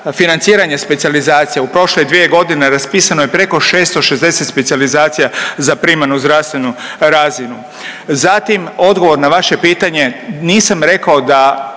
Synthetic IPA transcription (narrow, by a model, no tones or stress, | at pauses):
finant̪siːɾaɲespet̪sializaːt̪sijeupɾo̞ʃled̪ʋije̞ɡo̞d̪ine̞ɾaspiːsano̞jepɾe̞ko̞ʃe̞ːst̪oʃezd̪e̞se̞t̪spet̪sializaːt̪sijazapɾimanuzd̪ɾaʋst̪ʋe̞nuɾazinu | zat̪imo̞d̪ɡo̞ʋo̞ɾnaʋaʃe̞piːt̪aɲe̞niːsamɾe̞kao̞d̪a